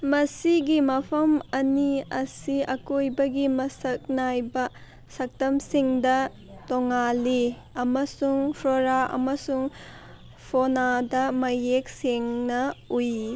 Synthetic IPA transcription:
mɐsiɡimɐpʰɐmɐniɐsiɐkojbɐɡimɐsɐk̚najbɐ | sɐk̚tɐmsiŋdɐ | toŋali | ɐmɐsuŋpʰɾoɾaʔɐ̰mɐsuŋ | pʰonadɐmɐjek̚seŋnɐuj

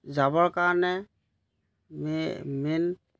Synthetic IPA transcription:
zabɔɹkanɛ | mmin

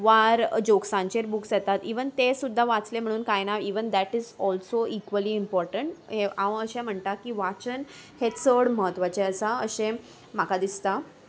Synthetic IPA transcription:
ʋaɾd͡ʑoksãɲt͡ɕeɾbuksjet̪at̪iʋənt̪esud̪ʱːaʋat͡slem̤əɽ̃uːnkajnaʋiʋənd̪æʈizɔlsoʔikʋəliːmpɔɾʈəɳʈɦeaʋəɕẽm̤əɳt̪akiʋat͡ɕən | het͡səɽməɦət̪ʋat͡ɕeət͡saəɕẽ | makad̪ist̪a

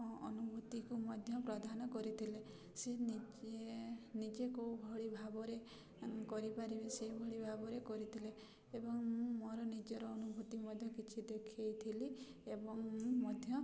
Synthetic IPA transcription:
ɔnubʱut̪ikumɔd̪ʱjɔpɾɔd̪ʱanɔkɔɾit̪ʰile | senenid͡ʒekobʱɔɭibʱabɔɾe | kɔɾipaɾibeseibʱɔɭibʱabɔɾekɔɾit̪ʰile | ebɔŋmɔɾɔnid͡ʒɔɾɔːnubʱut̪imɔd̪ʱjɔkit͡ʃʰid̪ekʰejt̪ʰiliebɔŋ̃mɔd̪ʱjɔ

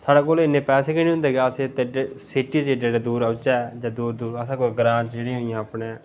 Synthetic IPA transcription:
saːɽaːkoːlɪnːẽːpɛːseːkenĩːɦʊnd̪eːɡɛəset̪eɖeːsɪʈiːd͡ʒeːɖeːɖeːd̪uːɾəːt͡ʃaɛd͡ʒãːd̪uːɾd̪uːɾəsãːkoːɡɾãːt͡ʃeːɽiɦoːijãːapne

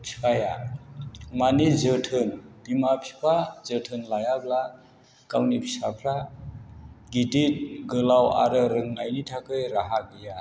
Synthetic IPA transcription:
tʰi̥aja | manizɯtʰɯnbimapʰi̥pʰazɯtʰɯnlajabla | kawnipʰisapʰɾa | ɡitit̚ɡɯlawa̰ɾɯɾɯŋajnitʰakɯjɾaɦaɡɯja

